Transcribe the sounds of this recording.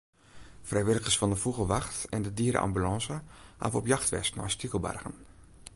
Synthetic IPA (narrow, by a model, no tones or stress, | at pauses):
frɛjʋɪlˠəɣəsfɔndəfuɣəʋaxtɛndədiəɾə̰ʔa̰mbylɑ̃ːzəha̰ːvəɔpjɑxtʋɛ̰stnɔ̰jstikəlˠba̰rɣə̰n